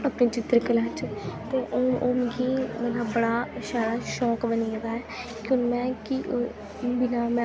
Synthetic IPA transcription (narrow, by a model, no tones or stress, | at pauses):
əpniːt͡ʃɪt̪ːɾkəlaːt͡ʃt̪eːʔooːmɡiːmət̪ləbbəɽaːʃaːɽaːʃɔːkbəniːəd̪aːɛː | kjõːmɛ̃ːkiʔ | bɪnaːmɛ̃